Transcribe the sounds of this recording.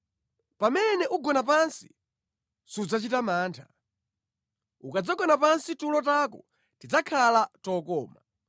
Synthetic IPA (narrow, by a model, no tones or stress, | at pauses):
pamɛnɛʔuɡɔnap̬ansi̥ | sud͡zat͡ʃitamaːntʰḁ | ukad͡zaɡɔnapansitulɔtakɔ | tid͡zakʰalatɔkɔːma